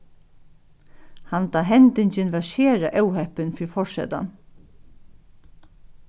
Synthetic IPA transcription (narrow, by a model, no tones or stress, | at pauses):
hant̪aːɦɛnt̪ɪɲt͡ɕɪnʋɛʃeːɾaʔɛwɦɛhpɪnfiɾfɔʂɛ̰t̪a̰n